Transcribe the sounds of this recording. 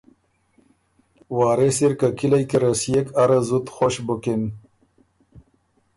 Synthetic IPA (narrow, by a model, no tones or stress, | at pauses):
wɑːɾesiɾkakilajkeɾasijekaɾazut̪xoɕbukin